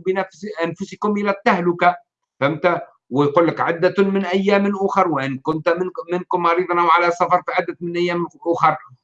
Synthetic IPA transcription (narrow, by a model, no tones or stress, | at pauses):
bnæfʔanfʊsikʊmʔɪlæt̪ːahlʊka | fɪmt̪æ | wɪjquːlːɪkʕɪd̪ːamɪnʔæjːæːmnʔʊxɑɾˤwɪʔɪnkʊnt̪mɪnkʊmːɑɾiːd̪ˤnawʕalæsɑfɑɾˤfiʕad̪ːæt̪mɪnʔæjːæːmʔʊxɑɾˤ